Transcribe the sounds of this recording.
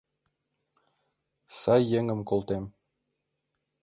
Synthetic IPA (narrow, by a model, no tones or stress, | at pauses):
sɑjːeŋə̆mkolˠt̪em